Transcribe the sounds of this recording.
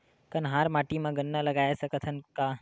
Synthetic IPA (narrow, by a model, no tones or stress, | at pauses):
k̪ɐnɦaːɾmaːʈimãɡənːalɐɡaːjesɐkət̪ʰɐnka